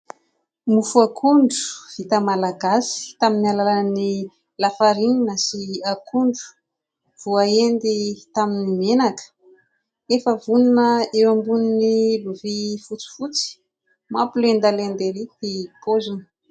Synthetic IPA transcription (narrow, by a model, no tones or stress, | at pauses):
mufuakʰuɳɖ͡ʐu̥v̥it̪əmalaɡasi̥t̪aminialalani | lafaɾiɲinasiakʰuɳɖ͡ʐu̥ | v̥uaend̪it̪aminimenakə̥ | efəvuninəewambuniniluvifut͡si̥fut͡si̥ | mapulend̪alend̪eɾit̪ikozuni̥